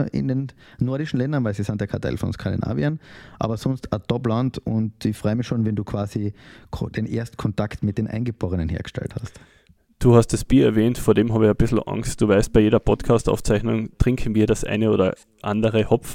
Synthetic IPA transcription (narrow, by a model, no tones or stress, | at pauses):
ɪ̰ndennɔɐɾɪʃn̩lɛndɐnvaɪsisantd̥ɛɐkʰatʰa̰ɪlfɔ̰nskʰandina̰ːviənʔa̰ːbɐsɔnstɐtɔplantʊntɪçfʁ̥ɔʏəmɪçʃoːnvɛnduːkʰv̥aːsid̥eːnʔḛːɐst̩kʰɔntaktmɪt̚d̥eːnʔa̰ɪnɡəboːʁənənhḛːɐɡə̥ʃtɛ̰lthast | d̥uːhast̚d̥asb̥iːɐɛɐvɛːntfoːɐdeːmɦaːbəɪçab̥ɪsl̩ʔa̰ŋst̚d̥uːvaɪst̚b̥aɪjeːɾdɐpʰɔtkʰaːstʔa̰ʊft͡saɪçnʊŋtʁ̥ɪŋkʰn̩viːɐɾasʔa̰ɪnəoːdɐ | ʔandəʁəhɔp͡f